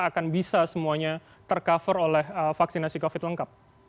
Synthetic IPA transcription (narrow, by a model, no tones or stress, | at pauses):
akanbisasəmuaɲa | t̪ərkafəɾolɛhəfaksinasikofɪt̪̚ləŋkap̚